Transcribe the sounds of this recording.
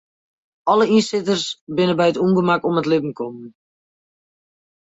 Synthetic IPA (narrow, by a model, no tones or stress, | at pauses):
ɔləinsɪtərsbɪnəbɛjətumbəmakɔmətlɪbm̩kʰɔmən